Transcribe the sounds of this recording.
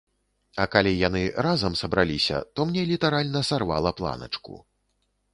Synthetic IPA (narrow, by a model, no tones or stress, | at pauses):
ɐkalʲijan̪ɨɾazɐmsɐbɾalʲisʲɐ̰t̪ɔmnʲɛlʲit̪aɾalʲnɐsarva̰lˠɐplˠa̰nɐ̰t͡ʂkṵ